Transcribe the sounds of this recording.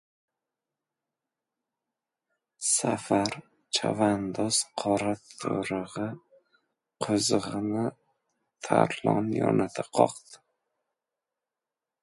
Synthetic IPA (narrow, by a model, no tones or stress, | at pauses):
safaɾ | t͡ʃʰavand̪ɒsqʰɒɾat̪ʰoɾɨʁɨ | qʰʊzʁɨnɪ | t̪ʰa̰ɾlˠɒnjɒ̰nʔat̪ʰaqʰɒqd̪ɪ